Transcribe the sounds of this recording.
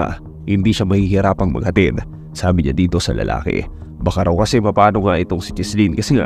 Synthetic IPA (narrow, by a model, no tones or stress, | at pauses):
a̰ | hɪnd̪iʃamɐhihɪɾaːpɐŋmɐ̰ɡ̚hɐt̪ɪd̪ | saːbɪɲa̰d̪iːt̪o̞sɐ̰lɐ̰lʔa̰ːkɪ̰ | bɐkaɾɐwkɐsɛmɐpaːno̞ŋaʔɪt̪o̞ŋsɪt͡ʃɛslinkɐsɛŋa̰